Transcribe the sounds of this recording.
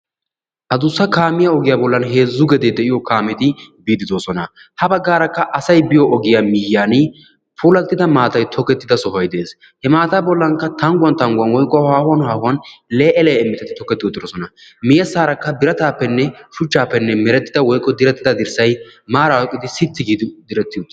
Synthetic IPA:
ʔɐd̪ʊsːɐkaːmɪjaɔɡɪjaːbɔlːɐnɦe̞ːzːʊɡɛd̪eːd̪ɛʔɪjɔkaːmɪt̪ɪbiːd̪ɪd̪oːsɔnɐ | hɐbɐɡːaːɾɐkːɐʔɐsɐjbɪjɔʔɔɡɪjamɪjːaːn | puːlɐt̪ːɪd̪ɐmaːt̪ɐjt̪ʰɔkːɛt̪ːɪd̪ɐsɔɦɐjd̪e̞ːs | hɛmaːt̪aːbɔlːɐŋkːɐt̪ɐŋɡʊwɐnt̪ɐŋɡʊwɐnwɔjkʼːɔhaːhʊwɐnhaːhʊwɐnleːʔɛlɛjɪmːɪt̪ɛt̪ɪt̪ɔkːɛt̪ːɪɔt̪ːɪd̪oːsɔnɐmɪjɐsaːɾɐkːɐbɪɾɐt̪aːpːɛnːɛʃʊt͡ʃːaːpːɛnːɛmɛɾɛt̪ːɪd̪ɐwɔjkʼːɔd̪ɪɾɛt̪ːɪd̪ɐd̪ɪɾsɐjmaːɾawɔkʼːɪd̪ɪsɪt̪ːɪɡiːd̪ɪd̪ɪɾɛt̪ːɪt̪ː

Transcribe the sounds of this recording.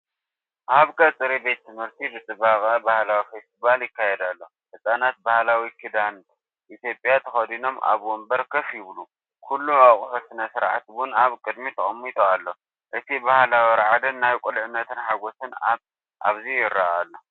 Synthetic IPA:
ʔaβkʰʼɐt͡sʼɨɾibe̞t̪̚ːʰɨmhɨɾt̪ʰibɨt͡s̪ʼɨbakʼabahlawifest̪ʰiβaljɪkːajɛd̪alːo̞ | ħɨsʼanat̪̚bahlawikʰid̪an | ʔit̪jo̞pʼjat̪ʰɐxɐd̪ino̞mʔa̰βwombɐɾkʰɐfjɪβlu | kʰulːuaχʼħosɨnɐsɨɾʕat̪wʊnaβkʼɨd̪mit̪ʰɐχʼɐmːit̪ʼoalːo̞ | ʔɨt̪ʰibahlawiɾʕad̪ɐnːajkʼulʕɨnːɐt̪ʰɨnħaɡo̞sɨna | ʔa̰βzijɪɾːaʔalːo

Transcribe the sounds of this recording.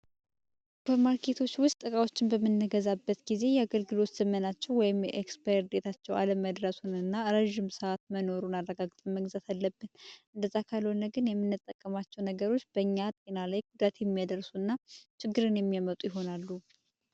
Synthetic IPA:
bəɾmaɾkʰe̞t̪ʰo̞t͡ʃːwʊst̪ʼɨkʼawo̞t͡ʃːɪnbəmːɨnːəɡəzabːət̪ɡize̞jɛaɡəlɡɨlo̞t̪z̥əmənat͡ʃːɛwwɔjɪmjɛʔekspaɾd̪et̪ʰat͡ʃːɛwa̰ləməd̪ɾəsunɨnːaɾəʒːɪmsəat̪məno̞ɾunarːəɡaɡt̪ʼənməɡzat̪alːəbːɨnʔɨnd̪əzakʰalhonəɡɨnjɛmːɨnːɨt̪ʼːəkʼːəmat͡ʃːɛwnəɡəɾo̞t͡ʃːb̥əɨɲːat̪ʼenalajɡud̪at̪jɛmːijad̪əɾsuɨnːat͡ʃʰɪɡːɨɾɨnjɛmːijamət̪ʼujɪɦo̞nalːu

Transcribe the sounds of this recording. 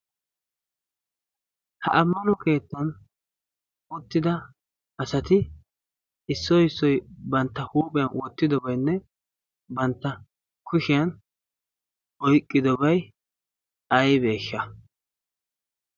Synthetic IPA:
hɐ̰ʔɐmːɐnɔke̞ːt̪ːɐn | ʊt̪ːɪd̪ɐ | ɐsɐt̪ɪ | ɪsːɔɪsːɔjbɐnt̪ːɐhuːpʼɪjɐnwɔt̪ːɪd̪ɔbɐjnːɛ | bɐnt̪ːɐ | kʰʊʃɪjɐn | ʔɔjkʼːɪd̪ɔbɐj | ɐjbe̞ːʃːɐ

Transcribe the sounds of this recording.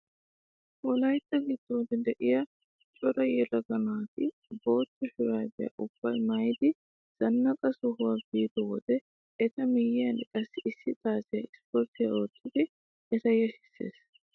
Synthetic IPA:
wɔlɐjt̪ːɐɡɪd̪ːɔwd̪ɪd̪ɛʔɪjɐ | t͡ʃʼɔɾɐjɛlɐɡɐnak̪ɪ | bo̞ːt͡ʃːɔhɪɾaːb̪ɛjɐ̰ʔʊb̥ːɐjmɐjd̪ɪ | z̥ɐnːɐkʼɐsʊhʊwabiːt̪ɔwɔd̪ɛ | ɛt̪ɐmɪjɪjɐnɪkʼɐsːɪʔɪsːɪt̪ʼaːsɪjɐ̰ɪspɔɾt̪ɪjɐ̰oːt̪ːɪd̪ɪ | ɛt̪ɐjɛhɪ̥sːḛːs

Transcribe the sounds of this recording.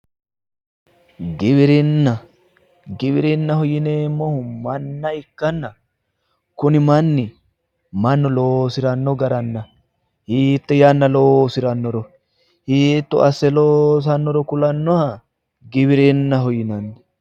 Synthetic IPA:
ɡɪβɪɾɪnːɐ | ɡɪβɪɾɪnːɐhɔjɪneːmːɔhʊmɐnːɐɪkːɐnːɐ | kʊnɪmɐnːɪ | mɐnːɔloːsɪɾɐnːɔɡɐɾɐnːɐ | hiːt̪ːɛjɐnːɐloːsɪɾɐnːɔɾɔ | hiːt̪ːɔ̰ʔɐsːɛloːs̬ɐnːɔɾɔkʊlɐnːɔhɐ | ɡɪβɪɾɪnːɐɦɔjɪnɐnːɪ

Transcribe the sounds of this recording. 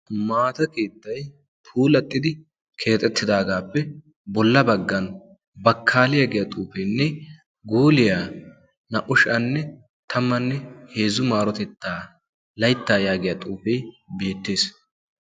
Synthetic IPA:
maːt̪ɐke̞ːt̪ːɐj | tʰuːlɐt̪ʼːɪd̪ɪ | kʰe̞ːt̪ʼːɛt̪ːɪd̪aːɡaːpːɛ | bɔlːɐbɐɡːɐn | bɐkʰːaːlɪjaɡɪjɐt̪ʼuːfɛjnːɛ | ɡuːlɪjaː | nɐʔʊʃɐnːɛ | t̪ʰɐmːɐnːɛhe̞ːzʊmaːɾɔt̪ɛt̪ːaː | lɐjt̪ːaːjaːɡɪjɐt̪ʼuːfɛjbe̞ːt̪ːe̞ːs

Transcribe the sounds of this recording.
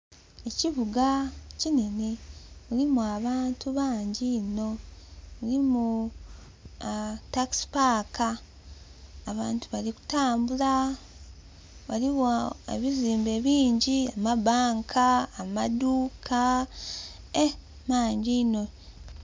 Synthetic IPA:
eciβuɡacine̞ne̞βulimuaβaːntuβaːɲɟino̞ulimu | taksi̥paːka | βaːntuβaliku̥taːmbula | waliβoḛβiziːmbe̞βiːɲɟiamabaːŋkʰaːmaduːkʰa | e | maːɲɟino̞

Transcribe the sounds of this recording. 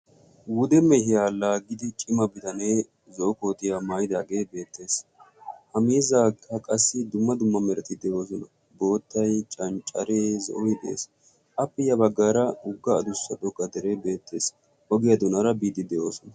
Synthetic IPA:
wʊd̪ɛmɛhɪjaːlaːɡɪd̪ɪt͡ʃʼɪmɐbɪt̪ɐneː | zɔʔʊko̞ːt̪ɪjamaːjd̪aːɡe̞ːbe̞ːt̪ːe̞ːs | hɐmiːzaːkʰːɐkʼɐsːɪd̪ʊmːɐd̪ʊmːɐmɛɾɛt̪ɪd̪ɛʔo̞ːs̬ɔnɐ | bo̞ːt̪ːɐjt͡ʃʼɐnt͡ʃʼɐɾeːzɔ̰ʔɔɪd̪ɛḛːs | ʔɐpːɛjɐbɐɡːaːɾɐʊɡːɐːd̪ʊsːɐᶑ̪ɔkːɐd̪ɛɾebe̞ːt̪ʰːe̞ːs | hɔɡɪjɐd̪ʊnɐɾɐbiːd̪ɪd̪ɛʔoːsɔnɐ

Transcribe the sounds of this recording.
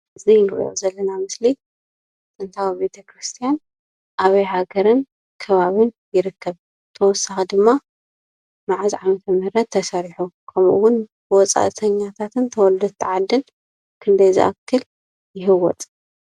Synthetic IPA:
ʔɨzijnɨʔʼjo̰zɐlːɐnamɨsli | tʼɨnt̪ʰawbe̞t̪ʰɐkʰɾɨst̪ʰijan | ʔaβɐjhaɡɐɾɨn | kʰɐβaβɨnjɪɾɨkʰːɐβ | t̪ʰɐwɔsːaxd̪ɨmːa | maʕaziʕamɐt̪ʰɐmɨhɾɐt̪ʰːɐsɐɾiħukʰɐmʔṵwʊnbwɔt͡sʼa̰ʔt̪ʰɐɲːat̪ʰat̪ʰɨnt̪ʰɐwɔld̪ɐd̪t̪ʰɨʕad̪ːɨn | kʰɨnd̪ɐjzḭʔa̰kʰːɨl | jɪɦɨwɔt̪ʼ

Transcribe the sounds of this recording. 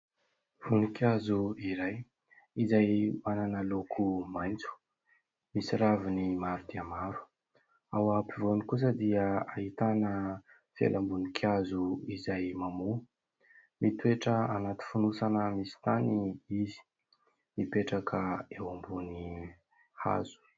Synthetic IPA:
v̥unikjazuiɾaj | izajmananəlokʰumajnt͡su̥ | misiɾavinimaɾud̪iəmaɾu̥ | awapivonikus̬əd̪iəaɦit̪anə | fḛlʔambunikʰjazuizajmamu | mit̪ueʈ͡ʂəanat̪i̥funusanəmisi̥t̪aniizi̥ | mipeʈ͡ʂakʰəewambuni | ha̰z̥u̥

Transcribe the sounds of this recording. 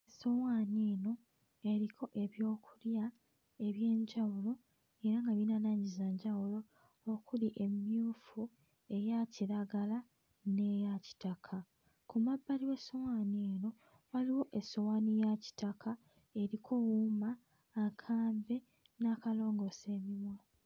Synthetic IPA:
eso̞waːneːno̞ | e̞ɾikʰo̞ʔe̞βjo̞ːkulja | e̞βje̞ːɲɟawulo | e̞ɾaŋɡaβinanaːɲizaɲɟawulo̞ː | kuliʔe̞mjuːfu | e̞jaciɾaɡala | ne̞jaci̥takʰa | kumabːaliwesowaːneːno̞ | waliwo̞ʔe̞sowaːnijaci̥takʰa | e̞ɾikʰo̞wumaː | kʰaːmbe̞ | nakalo̞ːŋɡo̞se̞ːmimwa

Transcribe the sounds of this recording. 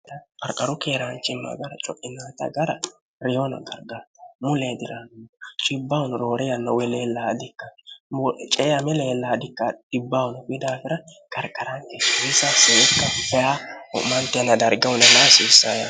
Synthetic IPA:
ɐkʼɐɾkʼɐɾʊkeːɾant͡ʃːɪmːɐ̰ɡɐɾɐt͡ʃʼɔʔɪnaːt̪ɐ̰ɡɐɾɐ | ɾɛjonɐ̰ɡɐɾɡamʊled̪ɪɾant͡ʃʼɪbːawʊnɾoːɾɛjɐnːɐwɛleːlːad̪ɪkːɐ | t͡ʃʼɛːjɐmɛleːlːaːd̪ɪkːɐdɪbːawnbɪd̪aːfɪɾɐ | kʼɐɾkʼːɐɾankeisaseːʔɪkːɐpɛjaɔ̰ʔmɐnt̪ːɛnɐd̪ɐɾɡɐwʊnɛlasiːsːaja̰

